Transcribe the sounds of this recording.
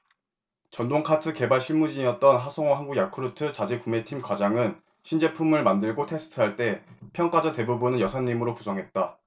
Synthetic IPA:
t͡ɕʌndoŋkʰatʰɯke̞baɭɕʰimud͡ʑiɲiʌt̚t͈ʌnɦasʰʌŋwaɦanɡuɡjakʰɯɾutʰɯt͡ɕad͡ʑekume̞tʰimkwad͡ʑaŋɯn | ɕʰind͡ʑe̞pʰumɯɭmandɯɭɡotʰesʰɯ̥tʰɯɦaɭt͈e̞pʰjʌŋk͈ad͡ʑʌte̞bubunɯnjʌsʰaɲːimɯɾokusʰʌŋɦe̞t̚t͈a

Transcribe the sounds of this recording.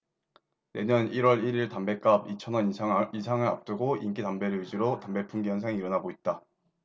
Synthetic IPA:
ne̞ɲʌniɾwʌɾiɾiɭtambe̞k͈abit͡ɕʰʌnʌiisʰaŋɯɾa̰p̚t͈ɯɡoink͈itambe̞ɾɯɭɥid͡ʑiɾotambe̞p͈ʰuŋɡijʌnsʰaŋiːɾʌnaɡoit̚t͈a

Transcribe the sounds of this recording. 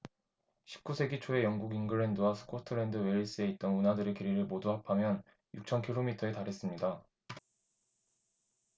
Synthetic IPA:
ɕʰi̥p̚k͈usʰe̞ɡit͡ɕʰoe̞jʌŋɡuɡinɡɯɾe̞ndɯwasʰɯ̥kʰotʰɯɾe̞ndɯwe̞iɭs͈ɯe̞it̚t͈ʌnunadɯɾe̞keɾiɾɯɭmoduɦapʰamjʌn | juk̚t͡ɕʰʌnkʰiɭomitʰʌe̞taɾɦe̞s͈ɯmɲida

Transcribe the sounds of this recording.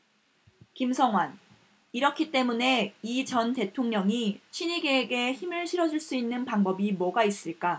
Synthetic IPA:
kimsʰʌŋɦwan | iɾʌkʰit͈e̞mune̞it͡ɕʌnte̞tʰoŋɲʌŋiɕʰiɲiɡeːɡe̞çimɯɭɕʰiɾʌd͡ʑuɭs͈uinːɯnpaŋbʌbimwʌɡais͈ɯɭk͈a

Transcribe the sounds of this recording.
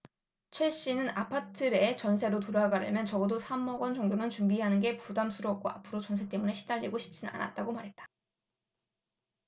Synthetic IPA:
t͡ɕʰwe̞ɕ͈inɯnapʰatʰɯɾe̞t͡ɕʌnsʰe̞ɾotoɾaɡaɾɯ̰mjʌnt͡ɕʌɡʌdosʰamːʌɡwʌnt͡ɕʌŋdɯmɯnt͡ɕumbiɦanɯnɡe̞pudamsʰuɾʌk̚k͈wa̰apʰɯɾot͡ɕʌnsʰe̞t͈e̞mune̞ɕʰidaʎːiɡoɕʰi̥p̚t͡ɕ͈ina̰nʔa̰t̚t͈aɡomaɾɦe̞t̚t͈ḁ

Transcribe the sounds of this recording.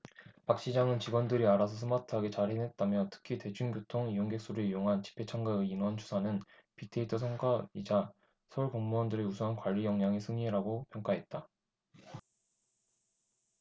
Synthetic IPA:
pak̚ɕ͈id͡ʑaŋɯnt͡ɕiɡwʌndɯɾiaɾas̬ʰʌs̬ʰɯmatʰɯɦaɡe̞t͡ɕaɾɦene̞t̚t͈amjʌtʰɯ̥kʰite̞d͡ʑuŋɡjotʰoŋijoŋɡe̞k̚s͈uɾɯijoŋɦant͡ɕi̥pʰːe̞t͡ɕʰaŋɡaɯːnwʌnt͡ɕu̥sʰanɯnpitʰeitʰɯsʰʌŋɡaid͡ʑa | sʰʌuɭkʌŋmuʌndɯɾeusʰʌɦankwaʎːijʌŋɲaŋesʰɯŋiɾaɡopjʌŋk͈aɦe̞t̚t͈a

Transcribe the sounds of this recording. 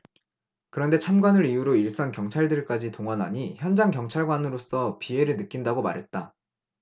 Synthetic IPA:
kɯɾʌnde̞t͡ɕʰamɡwanɯɾijuɾoiɭs͈ankjʌŋt͡ɕʰaɭdɯɭk͈ad͡ʑitoŋʌnɦa̰ɲiçjʌnd͡ʑaŋkjʌŋt͡ɕʰaɭɡwanɯɾos͈ʌpie̞ɾɯɭnɯk͈indaɡoma̰ɾɦe̞t̚t͈a

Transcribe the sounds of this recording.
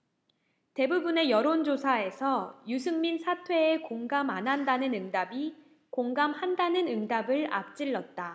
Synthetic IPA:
te̞bubune̞jʌɾond͡ʑosʰae̞sʰʌjusʰɯŋminsʰatʰwe̞ːkoŋɡamanɦandanɯnɯŋdabi | koŋɡamhandanɯnɯŋdabɯɭa̰p̚t͡ɕ͈iɭːʌt̚t͈a

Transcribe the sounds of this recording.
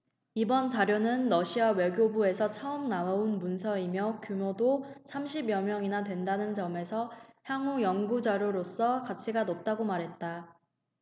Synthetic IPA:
ibʌnt͡ɕaɾjonɯnːʌɕʰiawe̞ɡjobue̞sʰʌt͡ɕʰʌɯmnaounmunsʰʌimjʌkjumodosʰamɕʰibjʌmjʌŋinadwe̞ndanɯnt͡ɕʌme̞sʰʌçjaŋujʌŋɡud͡ʑaɾjoɾos͈ʌkat͡ɕʰiɡanʌp̚t͈aɡomaɾɦe̞t̚t͈a

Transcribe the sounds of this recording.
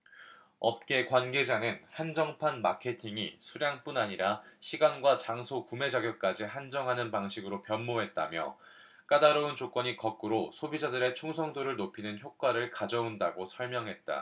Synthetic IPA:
ʌp̚k͈e̞kwanɡe̞d͡ʑaŋɯnhand͡ʑʌŋpʰanmakʰe̞tʰiŋisʰuɾjaŋp͈unaɲiɾaɕʰiɡanɡwat͡ɕaŋsʰokume̞d͡ʑaɡjʌk̚k͈ad͡ʑiɦand͡ʑʌŋɦanɯnpaŋɕʰiɡɯɾopjʌnmoɦe̞t̚t͈a̰mjʌ̰ | k͈adaɾount͡ɕok͈wʌɲikʌk̚k͈ɯɾosʰobid͡ʑadɯɾe̞t͡ɕʰuŋsʰʌŋdoɾɯɭnopʰinɯnçjok͈waɾɯɭkad͡ʑʌundaɡosʰʌɭmjʌŋɦe̞t̚t͈a̰

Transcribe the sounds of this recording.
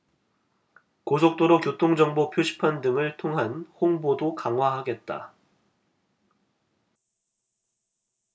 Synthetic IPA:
kos̬ʰok̚t͈oɾokjotʰoŋd͡ʑʌŋbopʰjoɕʰi̥pʰandɯŋɯɭtʰoŋɦanhoŋbodokaŋɦwaɦaɡe̞t̚t͈a̰

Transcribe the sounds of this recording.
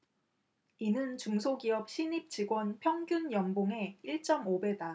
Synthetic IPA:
inɯnt͡ɕuŋsʰoɡiʌp̚ɕ͈ʰiɲip̚t͡ɕiɡwʌnpʰjʌŋɡjunjʌŋboŋe̞iɭt͡ɕ͈ʌmobe̞da

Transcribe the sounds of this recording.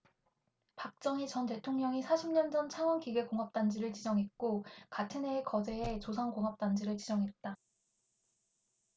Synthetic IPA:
pak̚t͡ɕ͈ʌŋit͡ɕʌnte̞tʰoŋɲʌŋisʰaɕʰimɲʌnd͡ʑʌnt͡ɕʰaŋwʌnkiɡe̞koŋɦap̚t͈and͡ʑiɾɯɭt͡ɕid͡ʑʌŋɦe̞t̚k͈okatʰɯne̞ːkʌd͡ʑeet͡ɕosʰaŋkoŋɦʌp̚t͈and͡ʑiɾɯɭt͡ɕid͡ʑʌŋɦe̞t̚t͈a

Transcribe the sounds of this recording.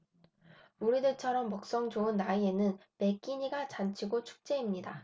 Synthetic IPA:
uɾidɯɭt͡ɕʰʌɾʌmːʌk̚s͈ʌŋd͡ʑoɯnːaie̞nɯnpe̞k͈iɲiɡat͡ɕant͡ɕʰiɡot͡ɕʰu̥k̚t͡ɕ͈e̞imɲida

